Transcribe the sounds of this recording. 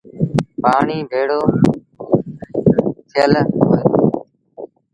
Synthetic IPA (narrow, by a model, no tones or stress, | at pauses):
paːɳiːbʱeːɽoː | t̪ʰɪjəlɦojoː